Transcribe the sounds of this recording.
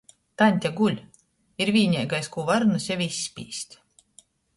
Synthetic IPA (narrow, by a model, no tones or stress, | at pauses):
t̪anʲt̪ʲaɡulʲ | iɾvʲiːnʲɛːɡajskuːvaɾnusʲjɛvisʲːpʲḭːsʲt̪ʲ